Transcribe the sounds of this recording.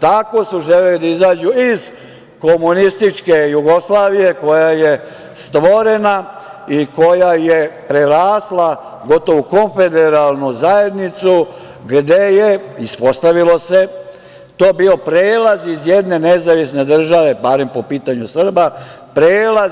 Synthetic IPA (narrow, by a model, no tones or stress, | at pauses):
t̪ako̞suʒelelid̪aizaːd͡ʑuiz | ko̞munist̪it͡ʃke̞juɡo̞slˠaːʋije̞ko̞jaje̞ | st̪ʋo̞ɾe̞naiko̞jajepɾeɾaːslˠa | ɡo̞t̪o̞ʋuko̞ɱfe̞d̪eɾalˠnuzaje̞d̪nit̪su | ɡd̪e̞jeispo̞st̪aʋilo̞se̞ | t̪oːbio̞pɾeːlazizjed̪ne̞nezaʋisne̞d̪r̩ʒaʋe̞baɾe̞mpo̞piːt̪aɲusr̩ba | pɾeːla